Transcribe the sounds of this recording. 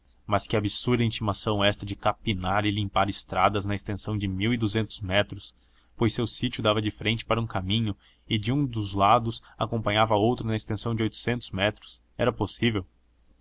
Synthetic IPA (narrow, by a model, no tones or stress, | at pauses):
mɐskɪabisuɾd̪ɐĩt͡ʃimasɐ̃w̃ɛst̪ɐd͡ʒɪkapinaɾɪlĩmpaɾɪst̪ɾad̪ɐznɐɪst̪ẽsɐ̃w̃d͡ʒɪmiwɪd̪uzẽnt̪ʊzmɛt̪ɾʊs | pojsewsit͡ʃjʊd̪avɐd͡ʒɪfɾẽnt͡ʃɪ̥paɾɐũkamĩɲʊ | ɪd͡ʒɪũd̪ʊzlad̪ʊsakõmpɐ̃ɲavɐowt̪ɾʊnɐɪst̪ẽsɐ̃w̃d͡ʒɪojt̪ʊ̥sẽnt̪ʊzmɛt̪ɾʊ̥s | ɛɾɐposivew